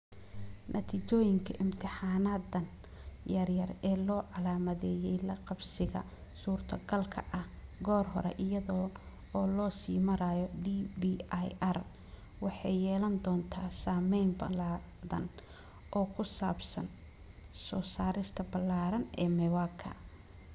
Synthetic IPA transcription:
nʔɐt̪ʰiːt͡ʃɔːjɪŋkʰɐʔɪmt̪ʰɪħaːnaːd̪ɐn | jɐrjɐrɛːlɔːʕɑlaːmɐðɛːjɛjlɐqɑbsɪɣɐ̰ | suːrt̪ʰɐɡɐlkʰɐ̰ʔɐhɡɔːrɦɔ̰ɾɛ̰ʔɪjɐðɔ | ɔːlɔːsiːmɐɾaːjɔɖibijɐr | wɑħɑjjɛːlɐnd̪ɔːnt̪ʰaːsaːmɛjmbɐ̰laː | ðɐ̰n | ʔɔːkʰʊsaːbsɐn | sɔːsaːɾɪst̪ʰɐbɐlːaːɾɐnɛ̰ːmɛwakʰɐ̰

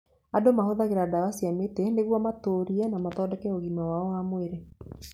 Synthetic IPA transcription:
adomahoðaɣeɾadaasiameteneɣwɔmatoːɾiɛnamatɔdɛkɛoɣimawaɔwamoeɾe

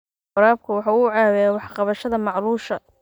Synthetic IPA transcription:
ɑɾaːb̚kʰɐwɑħɑːʊʕɑːwɛjawɑħqɑβɐʃɐðɐmɑʕluːʃɐ

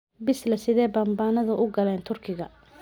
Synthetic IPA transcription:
bɪslɐsɪðɛːbaːmbaːnɐðʊʔʊɡɐlɛːnt̪ʰʊrkʰɪɣɐ

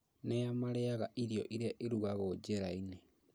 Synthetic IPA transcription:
neamaɾeaɣaʔiɾiɔʔiɾaʔiɾuɣaɣod͡ʒeɾaine

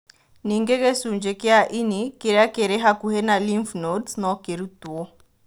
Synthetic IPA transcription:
niŋɡekesuɲd͡ʒekɪaʔinikeɾakeɾeɦakuhenaliɱfnotsnɔkeɾutwo

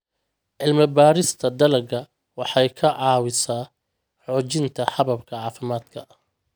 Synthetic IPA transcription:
ʕɪlmɐbaːɾɪst̪ʰɐd̪ɐlɐɡɐ | wɑħɑjkʰɐʕɑːwɪsaː | ħɔːt͡ʃɪnt̪ʰɐħɑβɐbkʰɐʕɑːfɪmaːd̪̥kʰɐɐ

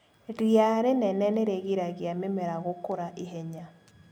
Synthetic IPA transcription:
ɾjaɾenɛnɛneɾeɣiɾaɣjamemɛɾaɣokoɾaʔeɦɛɲa

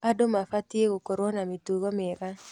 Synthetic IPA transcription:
adomafatjeɡokɔɾonamituɡomɪɾa

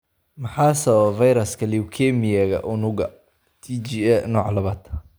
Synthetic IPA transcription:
mɐħaːsɐvɐjɾɐskʰɐliwkʰɛmijɛɣɐ̰ʔʊnʊɣɐ | t̪ʰit͡ʃiɛnɔːʕlɐβaːd̪̥

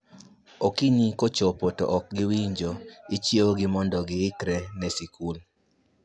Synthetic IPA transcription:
okiɲikot͡ʃopotɔ̰ʔɔk̚ɡɪwiɲd͡ʒoit͡ʃjioɡɪmɔndɔɡɪɪkɾɛnɛsikul

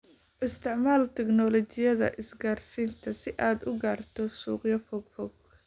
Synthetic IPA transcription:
ʔɪst̪ʰɪʕmaːlt̪ʰɛɡnɔlɔt͡ʃɪjɐðɐ̰ʔɪsɡaːrsiːnt̪ʰɐsɪʔaːd̪ʊɡaːrt̪ʰɔsuːqjɐfɔɡfɔɡ̚

